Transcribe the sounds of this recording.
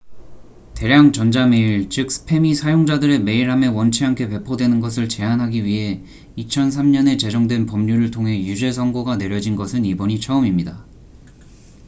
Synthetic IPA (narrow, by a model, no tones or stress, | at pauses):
te̞ɾjaŋt͡ɕʌnd͡ʑame̞iɭt͡ɕɯk̚s͈ʰɯ̥pʰe̞misʰajoŋd͡ʑadɯɾe̞me̞iɾɦamewʌnt͡ɕʰiɦankʰe̞pwe̞pʰodwe̞nɯnɡʌs̬ʰɯɭt͡ɕe̞anɦaɡiɥiɦe̞ | it͡ɕʰʌns̬ʰamɲʌne̞t͡ɕe̞d͡ʑʌŋdwe̞npʌmɲuɾɯɭtʰoŋɦe̞jud͡ʑe̞sʰʌŋɡoɡane̞ɾjʌd͡ʑinɡʌsʰɯnibʌɲit͡ɕʰʌɯmimɲida